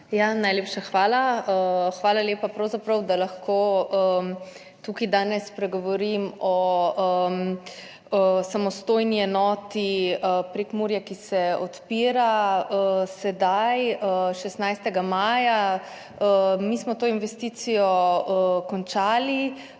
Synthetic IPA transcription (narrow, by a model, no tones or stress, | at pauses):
janajleːpʃaxʋaːlaəxʋaːlaleːpapɾəwzapɾəwd̪alaxkʰoːə | t̪ukid̪aːnɛspɾɛɡɔʋɔɾimɔəm | əsamɔst̪oːjniɛnɔːt̪iəpɾekmuːɾjakisɛɔt̪piːɾaəsɛd̪ajəʃɛst̪najst̪ɛɡamaːja | əmismɔt̪oːinʋɛst̪iːt̪sijɔəkɔnt͡ʃaːli